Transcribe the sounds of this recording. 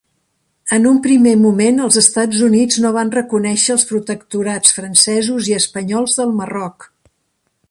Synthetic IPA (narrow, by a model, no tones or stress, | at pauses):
ənumpɾimemumenəlˠzəst̪ad͡zunid͡znoβ̞anrəkunɛʃəːlˠspɾut̪əkt̪uɾat͡sfɾənsɛzuziəspəɲɔlˠzðəlˠmərɔk